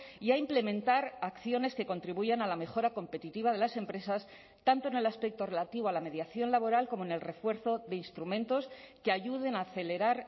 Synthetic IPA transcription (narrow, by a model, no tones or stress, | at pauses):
iaimple̞mẽ̞nt̪aɾakθjo̞ne̞ske̞ko̞nt̪ɾiβuʝanalame̞xo̞ɾako̞mpe̞t̪it̪iβaðe̞lase̞mpɾe̞sas | t̪ant̪oene̞laspe̞k̚t̪o̞re̞lat̪iβoalame̞ðjaθjo̞nlaβo̞ɾalko̞moenelre̞fwe̞ɾθo̞ðe̞inst̪ɾumẽ̞nt̪o̞ske̞aʝuðe̞naːθe̞le̞ɾaɾ